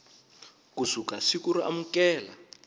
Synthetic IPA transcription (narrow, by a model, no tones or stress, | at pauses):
kusukasikuɾiʔamukɛːla